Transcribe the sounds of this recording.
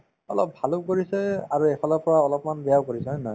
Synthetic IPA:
ɔ̰lɔp̚bʱalʊkoɹisɛaɹuekʰɔlɔpɔɹaɔlɔpmanbɛjaʊkoɹisɛnɔj

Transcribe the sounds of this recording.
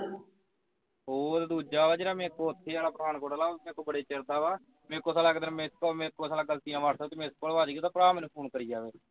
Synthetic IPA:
oːd̪aːd̪uːd͡ʒaːʋaːd͡ʒeːɽaːmɛ̃ːɪkːõːət̪ʰːeːaːlaːpɾaːnkoːɽaːlaːmɛ̃ːkːõːbəɽeːt͡ʃeɾd̪aːʋaː | mɛ̃ːkːoːsaːlaːkd̪ənmẽːɪskoːmɛ̃ːkːoːsaːlaːɡəlt̪iːãːʋaːɽsəkt̪eːmẽːskoːlʋaːd͡ʒiːɡet̪ãːpɾaːmɛ̃ːnũːpʰoːnkəɾiːd͡ʒaːʋeː

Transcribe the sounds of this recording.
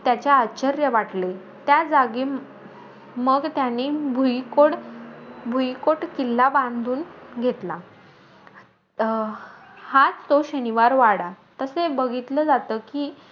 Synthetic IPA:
t̪jat͡ɕjaat͡ɕəɾjəʋaʈle | t̪jad͡zaɡi | məɡt̪janːiːbʱujkoɽ | bʱujkoʈkilːabãnd̪ʱuːnɡʱet̪la | hat͡st̪oɕəniʋaɾʋaɽa | t̪əsebəɡʱit̪ləd͡zat̪əːkiː

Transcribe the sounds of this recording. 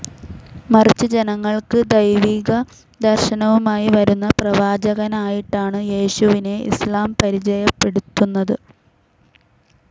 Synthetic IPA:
mɐrit͡ɕːɨd͡ʑe̞nɐŋːɐɭkɨd̪ɐjʋiːɣɐ | d̪ɐrʂɐnɐʋumaːjiʋɐɾunːɐprɐʋaːd͡ʑɐɣɐnaːjiʈːaːɳɨje̞ːɕuʋine̞ḭslaːmpɐɾid͡ʑɐjɐpːe̞ɽut̪ːunːɐðɨ

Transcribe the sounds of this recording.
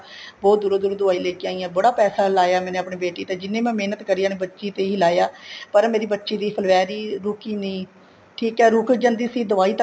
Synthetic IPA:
bɔːt̪̚d̪uːɾoːd̪uːɾd̪ʊaːiːleːkjãːiːãːbəɽaːpɛːsaːlaːjaːmɛːnẽːəpɳeːbeːʈiːt̪eːd͡ʒɪnːẽːmɛ̃ːmeːnət̪kəɾiaːnẽːbətːʃiːt̪eːilaːjaːpəɾmeːɾiːbətːʃiːd̪iːpʰəlʋɛːɾiːɾʊkiːnĩː | ʈʰiːkɛːɾʊkd͡ʒənd̪iːsiːd̪əʋaːiːt̪ə

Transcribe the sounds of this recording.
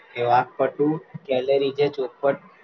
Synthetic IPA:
eʋak̚pəʈukɛləɾid͡ʒet͡ʃopəʈ

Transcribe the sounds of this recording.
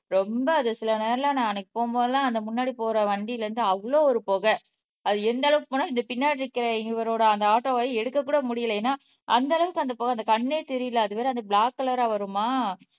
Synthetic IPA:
ɾɔmbɐːðɐsɪlɐneːɾɐlãːnãːɛnɐkːɯ̥poːmboːðɐlãːɐnd̪ɐmʊnːaːɽipoːɾɐʋɐɳɖilɐɾɯnd̪ɯɐʋɐɭoːɔɾɯpoːɣɐ | ɐðɯɛnd̪ɐɭɐʋɯkɯpoːnːaːɪnd̪ɐpɪnːaːɽɾɪkːɪɾẽɛŋɡɪʋɐɾoːɽɐɐnd̪ɐaːʈːoːʋaːjiɛɽɯkːɐkːuːɽɐmʊɽɪjɐlɐjeːnːaː | ʔɐnd̪ɐɭɐʋɯkːɯɐnd̪ɐpoːɣɐnd̪ɐkɐɳːeːt̪ɛɾɪjɪlɐɐðɯpɛːɾɐnd̪ɐbɭaːkːɐlɐɾaːʋɐɾɯmaː

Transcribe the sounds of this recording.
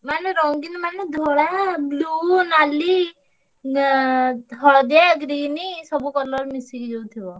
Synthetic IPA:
maneɾɔŋɡinmaned̪ʱɔɽablunali | ɦɔɭɔd̪aɡɾinisɔbukɔlɔɾmisiɡid͡ʒowt̪ʰibɔ

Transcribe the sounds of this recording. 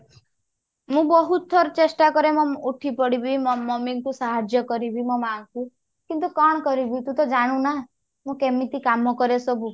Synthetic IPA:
mũbɔɦut̪ʰːɔɾt͡ʃesʈakɔɾemɔuʈʰipɔɽibimmɔmiŋkusaɦad͡ʒjɔkɔɾibimɔmaːŋku | kint̪ukɔɽ̃ɔkɔɾibit̪ũt̪ɔd͡ʒaɽ̃ũna | mũkemit̪ikamɔkɔɾesɔbu

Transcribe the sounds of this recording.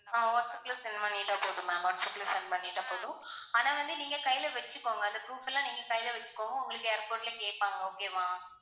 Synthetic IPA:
nãːʋoːʈsɐklɐsɛnːmɐnːɪʈːaːpoːðʊ̃maːɔːʈsɐklɐsɛnpɐnːɪʈːaːpoːðʊ̃aːnaːʋɐnd̪ɯniːŋɡɐkɐjːɪlɐʋɛt͡ʃːɯkːoːŋɡɐɐnd̪ɐpɾuːfɛlːãːniːŋɡɐkɐjɪlɐʋɛt͡ʃːɯ̥kːoːŋɐʊŋɡɐɭɯkːɯɛɾpoːɾʈlekeːʈ̚paːŋɡɐoːkeːʋãː

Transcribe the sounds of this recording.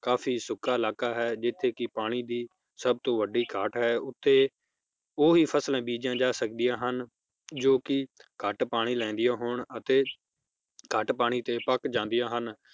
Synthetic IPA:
kaːfʰiːsʊkʰːaːɪlaːkaːɦɛːd͡ʒɪt̪ʰːeːkɪpaːɽ̃iːd̪iː | səb̚t̪õːʋəɖiːkʰəːʈɦɛːʊt̪ʰːeː | oːɦiːpʰəslɛ̃ːbiːd͡ʒãːd͡ʒaːsəkd̪ɪjãːɦən | d͡ʒoːkɪkəʈpaːɽ̃iːlɛ̃ːnd̪ɪjãːɦoːɳət̪eː | kəʈpaːɽ̃iːt̪eːpəkd͡ʒãːnd̪ɪjãːɦən

